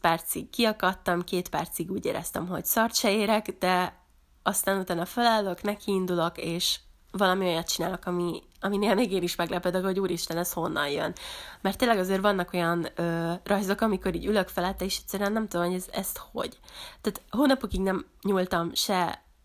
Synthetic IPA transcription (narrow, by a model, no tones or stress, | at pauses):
pɛrt̪siɡkːiɒkɒt̪ːɒmkeːt̪pɛ̰rt̪siɡuːɟḛːɾɛ̰st̪ɛ̰mɦo̞̰ɟsɒrt̪ʃɛeːɾɛkd̪ɛ | ɒst̪aːnut̪aːnɒfølɛlːøknɛkʰiːnd̪ulo̞keːʃ | vɒlɒmio̞jɒt̪̚t͡ʃinaːlo̞kɒmi | ɒmineːlmeːɡeːniʃmɛɡlɛpɛd̪økho̞ɟuːɾiʃt̪ɛnɛsho̞nːɒ̰njø̰nmɛrt̪ːeːnlːɛɡɒzeːrvɒnːɒko̞jɒnøːrʔɒjzo̞kɒmiko̞ɾiːɟyløkfɛlɛt̪ːɛiʃɛt̪sɛɾyɛnːɛmt̪ud̪omhoɟɛzɛst̪ho̞̰ɟt̪æːt̪ɦoːnɒpokiɡnɛmɲuːlt̪ɒmʃɛ